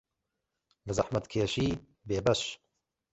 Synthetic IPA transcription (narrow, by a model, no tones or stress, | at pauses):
lɨzɐħmɐt̪kʰeːʃiː | beːbɐʃ